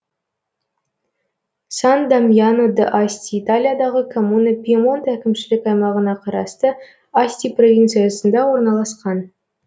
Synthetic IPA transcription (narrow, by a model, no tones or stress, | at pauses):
sɑnd̪ɑmjanod̪əʔasʲt̪ʲiit̪alʲijad̪ɑʁəkʰomunəpʲiemo̞nt̪ækʲɪmʃɪlɪkɑjmɑʁənɑqʰɑɾɑst̪ə | asʲt̪ʲipro̞vʲint̪sɨjasənd̪ɑwo̞ɾnɑlˠɑsqɑn